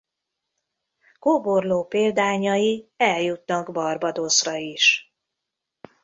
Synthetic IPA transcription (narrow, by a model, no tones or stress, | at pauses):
koːborloːpeːld̪aːɲɒjiɛljut̪nɒɡbɒrbɒd̪osrɒiʃ